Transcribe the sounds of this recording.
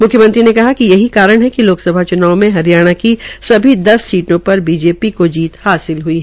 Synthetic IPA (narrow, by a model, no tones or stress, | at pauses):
mʊkʰjəmə̃nt̪ɾinekɐɦakijɐɦikaːɾəɽ̃ɦɛkiloːksɐbʱat͡ʃʊnaːomẽɦɐɾijaːɽ̃akisɐbʱid̪ɐsːiːʈõpɐɾbiːd͡ʒeːpikod͡ʒiːt̪haːsɪlɦuiɦɛ